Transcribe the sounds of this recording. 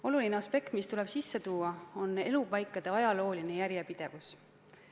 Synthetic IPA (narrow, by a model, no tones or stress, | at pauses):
o̞lulineɑspe̞kt̪mist̪ule̞b̥sisːe̞t̪uːɑo̞ne̞lupɑjkːˑɑd̪̥eɑjɑlo̞ːline̞jæɾjepid̪̥e̞vus